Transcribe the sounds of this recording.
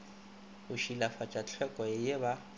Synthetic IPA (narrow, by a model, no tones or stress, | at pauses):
ʊʃilafat͡ʃʼat͡ɬʰɛkʼwajeba